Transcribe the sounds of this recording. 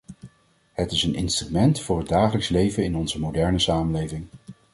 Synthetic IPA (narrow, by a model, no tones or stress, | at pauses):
ɦətɪsənɪ̰nstrymɛntfʊːɹɦəd̚aːχələkslejvəɪnɔnzəmodɛɹnəsaːmənlejvɪŋ